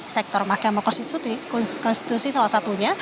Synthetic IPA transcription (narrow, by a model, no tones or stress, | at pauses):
sɛk̚t̪ɔrmahkamakɔnsisut̪ikɔkɔnst̪i̥t̪usisalahsat̪uɲa